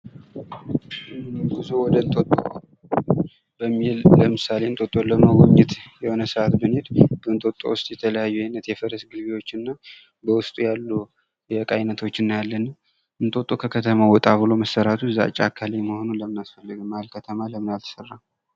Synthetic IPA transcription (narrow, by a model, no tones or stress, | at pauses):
ɨnbɨzuwɔd̪ənt̪ʼot̪ʼːo | bəmːilləmɨsale̞ɨnt̪ʼot̪ʼoləməwɔɲːɪt̪jɛho̞nəsɨʔat̪bɨnhed̪b̥ənt̪ʼo̞t̪ʼo̰wʊst̪ʼjɛt̪ʰələjajːuajnːət̪jɛfəɾəsɡɨlβewo̞t͡ʃːɨnːa | bəwʊst̪ʼujalːu | jɛkʼajnət̪ʰwo̞t͡ʃːɨnːjalːən | ʔɨnt̪ʼo̞t̪ʼːo̞kʰəkʰət̪ʰəmawɔt̪ʼaβɨlo̞məsəɾat̪ʰuza̰t͡ʃʼakʰːaleməho̞nunləmɨnasfəlːɨɡɨmːalkʰət̪ʰəmaləmɨnalt̪ʰə̥sərːa